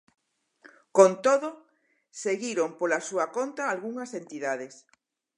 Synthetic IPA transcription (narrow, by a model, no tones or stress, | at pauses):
kont̪oðo | seɣiɾompolasuakont̪aːlɣuŋasent̪iðað̞es